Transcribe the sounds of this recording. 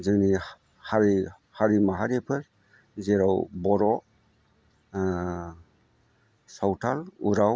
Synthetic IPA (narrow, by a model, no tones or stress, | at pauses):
zɯni | haɾi | haɾimaɦaɾipʰɯɾ | zeɾawbɔɾɔ | sawtʰaluɾaw